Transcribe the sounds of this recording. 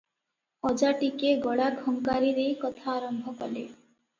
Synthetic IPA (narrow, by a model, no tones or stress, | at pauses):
ɔd͡ʒaʈikeɡɔɽaɡʱɔŋkaɾiɾejkɔt̪ʰaːɾɔmbʱɔkɔle